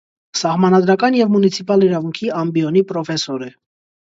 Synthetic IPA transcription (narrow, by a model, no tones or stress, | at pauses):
sɑhmɑnɑd̪ɾɑkɑnjɛvmunit͡sʰipɑliɾɑvuŋkʰiɑmbiɔnipɾɔfɛsɔɾɛ